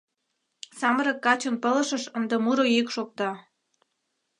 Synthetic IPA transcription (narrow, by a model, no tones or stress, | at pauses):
sɑməɾɤ̆kːɑt͡ɕŏnpə̆lə̆ʃə̆ʃənd̪ĕmuɾojikʃok̚t̪ɑ